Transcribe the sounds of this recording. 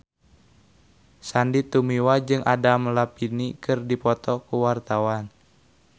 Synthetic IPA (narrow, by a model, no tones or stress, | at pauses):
sandit̪umiwad͡ʒɨŋadamlapinikɨrdipɔt̪ɔkuwart̪awan